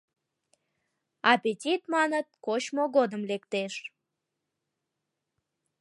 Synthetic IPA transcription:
ɑpʲetʲit̪mɑnət̪̚kot͡ɕmoɣod̪əmlekt̪eʃ

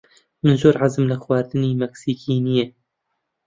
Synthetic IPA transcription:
mɨnzoːɾʕazɨmlɨxwaːɾd̪ɨniːmɛksiːkiːnije

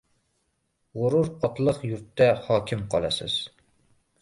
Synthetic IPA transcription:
ʁoɾʊɾɒt̪lˠəqjʊɾt̪ʰːahɒːkʲʰɪmqʰɒlˠa̰sɪz̥

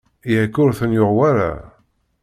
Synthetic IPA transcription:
jækːʊɾθənjoʁwaɾa̰

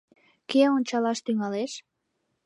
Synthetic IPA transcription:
keonʲt͡ɕɑlɑʃt̪yŋɑleʃ

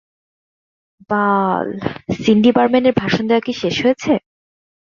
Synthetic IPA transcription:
balsinɖipaɾmenʈeɾbʱaʃond̪eoakiʃeʃɦojet͡ɕʰe

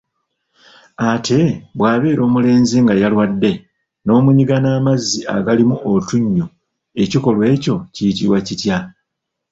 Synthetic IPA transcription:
atʰe̞bwaːβe̞ːɾo̞ːmule̞ːnziŋɡajalwadːe̞ | no̞ːmuɲiɡanaːmazːia̰ɡalimuʔotuɲːu | e̞ciko̞lwe̞ːco̞cijitiɾwacitja

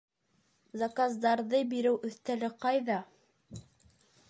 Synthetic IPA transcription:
zakazd̪ɑɾðɤbiɾɘwʔɵ̆θt̪ælɘqɑjðɑ

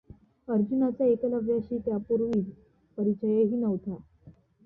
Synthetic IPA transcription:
əɾd͡ʑunat͡saekləʋjaɕiːt̪japuɾʋiː | pəɾit͡ɕəjeɦiːnəʋt̪ʰa

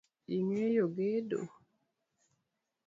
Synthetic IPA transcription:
iŋejoɡedo̰

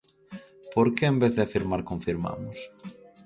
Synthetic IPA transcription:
poɾkeembeθðɪafiɾmaɾkõɱfiɾma̰mʊs

